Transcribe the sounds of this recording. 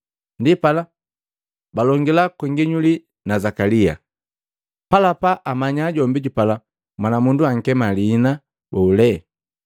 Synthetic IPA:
ndipala | balɔŋɡilakwɛŋɡiɲuli | nazakalia̰ | palapaʔamaɲaːɟɔmbiɟupala | mwanamunduaŋ̩kɛmaliːna | bɔulɛ

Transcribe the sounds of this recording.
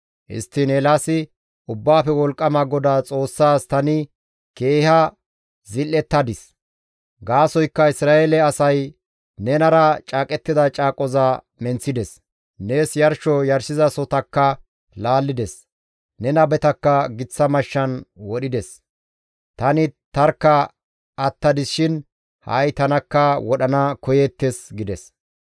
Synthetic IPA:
ʔɪ̰st̪ːɪnelasɪ | ʊbːaːfɛwɔlkʼːɐmɐɡɔd̪aːt͡sʼo̞ːsːaːst̪ɐnɪ | ke̞ːhɐ | zɪlːɛt̪ːɐd̪ɪs | ɡaːsɔjkːɐɪsɾaːelɛɐsɐj | nɛnɐɾɐt͡ʃʼaːkʼɛt̪ːɪd̪ɐt͡ʃʼaːkʼɔzaː | mɛnt͡sːɪd̪ɛs | ne̞ːsjɐɾʃɔjɐɾsɪzɐsɔt̪ɐkːɐ | laːlːɪd̪ɛs | nɛnɐbɛt̪ɐkːɐɡɪt͡sːɐmɐʃːɐnwɔɗɪd̪ɛs | t̪ɐnɪt̪ɐɾkːɐː | t̪ːɐd̪ɪsʃɪn | hɐ̰jt̪ɐnɐkːɐwɔɗɐnɐkɔjɛt̪ːesɡɪd̪ɛs

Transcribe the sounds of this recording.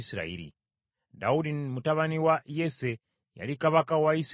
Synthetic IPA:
sɾa̰iːɾḭ | da̰uɗimutaʋaniwajese | ja̰likaʋakawais

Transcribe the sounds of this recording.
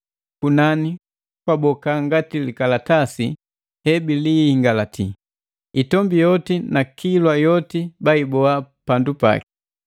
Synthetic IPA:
kunani | kwabɔkaŋɡatilikalatasi | hɛbilihiŋɡalatʰi | itɔmbijɔtinakʰilwajɔtibaibɔapandupa̰ki̥

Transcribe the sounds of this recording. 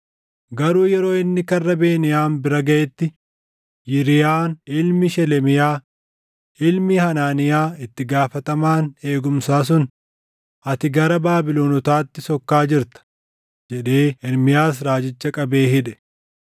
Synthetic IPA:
ɡɐɾuːjɛɾo̞ːɪnːɪkɐrːɐbe̞ːnɪjaːnbɪɾɐɡɐʔɛt̪ːɪ | jɪɾɪjaːnɪlmɪʃɛlɛmɪjaː | ɪlmihɐnaːnɪjaːɪt̪ːɪɡaːfɐt̪ɐmaːne̞ːɡʊmsaːs̬ʊn | ʔɐt̪ɪɡɐɾɐbaːbɪloːnɔt̪aːt̪ːɪsɔkːaːd͡ʒɪɾt̪ɐ̥ | d͡ʒɛᶑe̞ːɛɾmɪjaːs̬ɾaːd͡ʒɪt͡ʃːɐkʼɐbe̞ːɦɪᶑɛ̥

